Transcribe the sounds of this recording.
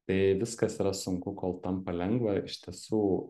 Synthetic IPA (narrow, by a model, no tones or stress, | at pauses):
t̪ɐɪʋʲɪskɐsiːɾɐsʊŋkʊkoːlˠt̪ɐmpɐlʲɛŋɡʋɐɪʃʲt̪ʲiɛsuː